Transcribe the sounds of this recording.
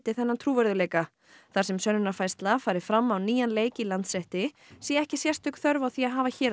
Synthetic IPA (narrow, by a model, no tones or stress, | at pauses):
t̪ɪθɛnːant̪ʰɾuːvɛɾðʏleːjka | θaɾsɛmsœnːʏnaɾfajst̪lafaːjɾɪ̥fɾamːawniːjanleːjcɪilant̪sɾɛht̪ɪ | sɛːɛhcɪsjɛr̥t̪ʏhkθœɾvaθiːaɦaːvaçɛːɾ